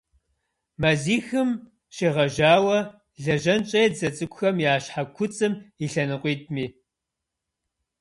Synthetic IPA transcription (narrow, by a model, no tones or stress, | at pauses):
mɐziːxɨm | ɕiʁɐʒaːwɐ | ɮɐʒɐnt͡ʃʼɐjd͡zɐt͡sʼɨkʷʊxɐmjaːɕħakʷʰʊt͡sʼɨmiɬɐnɨqʷʼiːt̚ʰʼmiː